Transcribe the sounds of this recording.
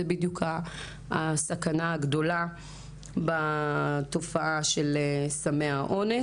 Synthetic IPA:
ebid̪jukʰa | sakanaaɡdo̞la | bato̞faʔaʃelsameaʔo̞ne

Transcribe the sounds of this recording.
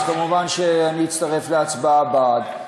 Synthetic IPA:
kamuvanʃeaniitt͡st̪aʁe̞fleat͡sbaabad

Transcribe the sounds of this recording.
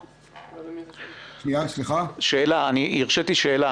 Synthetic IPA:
ʃniasliχaʃeelaaniʔiʁʃet̪iʃeela

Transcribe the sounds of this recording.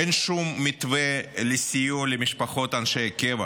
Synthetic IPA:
enʃumːit̪velesʲijulemiʃpaχo̞t̪anʃejkʲevɐ

